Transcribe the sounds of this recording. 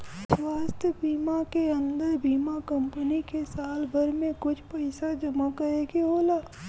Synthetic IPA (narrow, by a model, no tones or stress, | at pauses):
swaːst̪ʰjəbiːmakeɐ̃nd̪əɾbiːmakɐ̃mpənikesaːlbʱɐɾmẽkʊt͡ʃʰpɐɪsad͡ʒɐmakəɾeːɡeɦoːlaː